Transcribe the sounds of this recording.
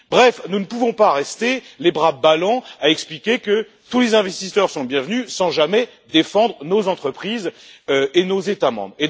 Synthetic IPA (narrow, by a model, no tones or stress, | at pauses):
bʁɛfnunəpuvɔ̃paʁɛst̪elebʁabalɑ̃aɛksplikʲekə | t̪ulezɛ̃vɛst̪isœʁsɔ̃bjɛ̃vnysɑ̃ʒamɛ | d̪efɑ̃d̪ʁənozɑ̃t̪χəpχizøenozet̪amɑ̰̃bʁe